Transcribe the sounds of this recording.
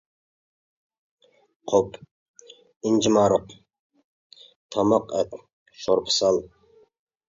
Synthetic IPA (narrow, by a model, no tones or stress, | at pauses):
qʰop | ɪnd͡ʒimɑːɾoq | t̪ʰɑmɑqɛt̪ | ʃoɾpʰɨ̥sɑlˠ